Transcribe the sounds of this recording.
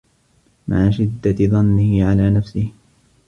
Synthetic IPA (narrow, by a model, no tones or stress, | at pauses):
ma̰ʕaʃɪd̪ːaðˤɑnːɪhɪʕalaːnafsɪh